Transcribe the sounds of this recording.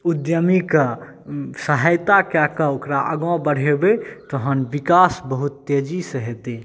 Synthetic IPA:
ud̪jəmika | səɦəjt̪akjakəokɾaʔəɡɔ̃bəɽ̤ebet̪ɔɦənʋikasbəɦut̪ːed͡ʒisəɦet̪e

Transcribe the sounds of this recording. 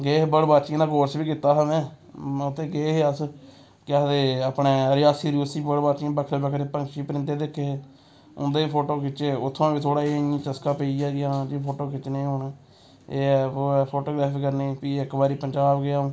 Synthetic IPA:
ɡeːɦbəɽbaːt͡ʃĩd̪aːkoːɾsbiːkɪt̪ːaːɦaːmɛ̃ː | ʊt̪ʰːẽːɡeːɦeəs | kɪaːd̪eːəpɳeːɾɪjaːsiːɾiʊsiːbəɽbaːt͡ʃĩːbəkʰɾeːbəkʰɾeːpəŋkʃiːpɾɪ̃nt̪eːd̪ekʰːeː | ʊ̰nd̪eːiːpʰoːʈoːkɪt͡ʃeːʊt̪ʰːõːbiːt̪ʰoːɽaːiːãːt͡ʃəskãːpeːiːjaːɡɪãːd͡ʒipʰoːʈoːkɪt͡ʃnẽːɦʊɳ | eːɛːoːɛːpʰoːʈoːɡɾɛːpʰiːkəɾneːpiːɪkːbaːɾiːpəɲd͡ʒaːbɡɪjaːõː

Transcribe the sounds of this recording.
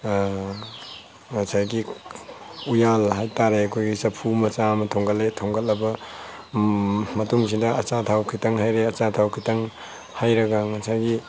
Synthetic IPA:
ŋasajɡi | ujalɦajtaɾeɐkʰojɡisɐpʰumɐt͡ʃamɐtʰoŋɡɐletʰoŋɡɐt̚lɐbɐ | mɐtuŋsidɐɐt͡ʃatʰawkʰitaŋɦajɾeɐt͡ʃatʰawkʰitaŋ | hajɾɐɡaŋasajɡi

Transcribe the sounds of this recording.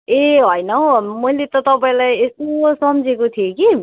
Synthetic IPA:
eɦʌjnʌmʌilet̪ʌt̪ʌpaĩlajesosʌmd͡zʱekot̪ʰijeki

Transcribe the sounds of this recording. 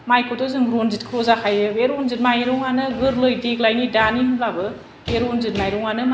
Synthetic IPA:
majkotozɯŋɾonzitkʰɾozakʰajɯbeɾonzit̚majɾuŋanɯɡɯɾlojdeklajnidanihɯmlabɯ | eɾonzit̚majɾuŋanɯm

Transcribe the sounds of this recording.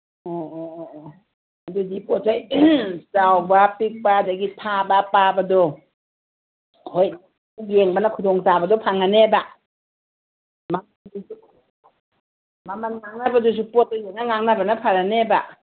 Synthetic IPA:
ɔ | adudipotʰajt͡ʃawbapik̚badaɡipʰabapabadɔ | hojna | ɡeŋbanakʰudɔŋsabadɔpʰaŋaneba | mamadusu | mamanŋaŋnabadus̬upɔt̚ɔjjeŋ̚naŋaŋnabanapʰaɾaneba̰

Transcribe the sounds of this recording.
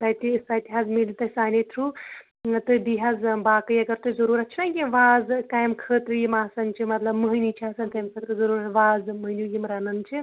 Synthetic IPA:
t̪ɐjt̪isaːjt̪iɦazmilt̪ɐsaːnit̪ʰɾu | t̪ɨbiɦazbaːkɨjɐɡɐɾt̪ɨzɐɾuɾɐt͡ʃʰinakʲiʋaːzkaːjmkʰəːt̪ɾjimaːsɐnt͡ʃʰimɐt̪lɐbməɦɨnit͡ʃʰaːsɐnt̪ɐjmsɐt̪kɨzɐɾuːɾɐʋaːzməɦniujimɾɐnɐnt͡ʃʰi

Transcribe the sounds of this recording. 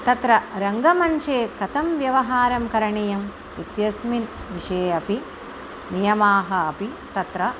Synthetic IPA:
t̪ɐt̪ɾɐɾɐŋɡɐmɐnt͡ʃeːkɐt̪ɐmʋjɐʋɐɦaːɾɐmkɐɾɐɳijɐm | it̪jɐsminʋiʂeːɐpi | nijɐmaːɦɐːpit̪ɐt̪ɾɐ

